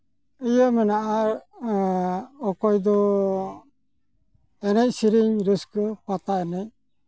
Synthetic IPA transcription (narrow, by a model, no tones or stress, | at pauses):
ijəmɛnaʔaɾ | ɔkɔjd̪ɔ | ɛnɛc̚siɾiɲɾiskəpat̪aɛnɛc̚